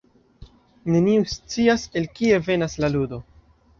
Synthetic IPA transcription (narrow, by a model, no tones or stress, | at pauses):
ne̞niust͡siase̞lkie̞ve̞naslaludo̞